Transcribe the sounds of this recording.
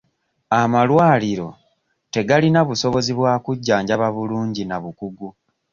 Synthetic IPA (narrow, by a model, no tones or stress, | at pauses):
amalwaːliɾo̞ | te̞ɡalinaβuso̞βo̞ziβwaːkuɟːaːɲɟaβaβuluːɲɟinaβukuɡu